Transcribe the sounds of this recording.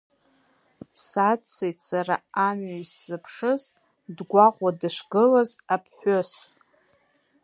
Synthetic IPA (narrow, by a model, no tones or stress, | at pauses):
sat͡sʰːejtʰʼsaraːmajsːɨpʰʂɨz | dɡʷaqʷʼadɨʂʷɡɨlazapʰħos